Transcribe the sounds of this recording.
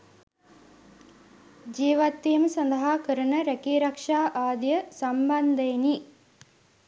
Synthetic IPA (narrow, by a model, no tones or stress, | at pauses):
d͡ʒiːʋɐt̪ːijɐmsɐnd̪ɐɦaːkəɾɐnəɾɛkiːɾɐkʂaːʔaːd̪jəsɐmbɐnd̪ɐjni